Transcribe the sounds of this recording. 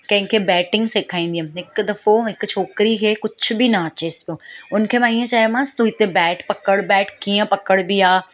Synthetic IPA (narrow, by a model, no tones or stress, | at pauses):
kɐ̃ɦɪ̃kʰebɛːʈɪ̃ŋɡseːkʰaːĩːn̆d̪iɦə̃mɦɪkd̪ɐfoɦɪkt͡ɕʰoːkɾikʰeːkʊd͡ʑʰʊ̆binɐɐt͡ɕeːɪspijoːʊnkʰeːmãːiːə̃t͡ɕaːjmãst̪uɦɪt̪ebɛːʈpɐkəɽbɛːʈkiːə̃pɐkəɽbiaː